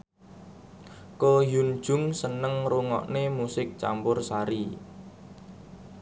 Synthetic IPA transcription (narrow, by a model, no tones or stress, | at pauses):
kɔjun̥ʒ̥ʊ̤ŋsənəŋruŋɔ̰ʔnemusɪk̚t͡ʃa̰mpʊrsaɾi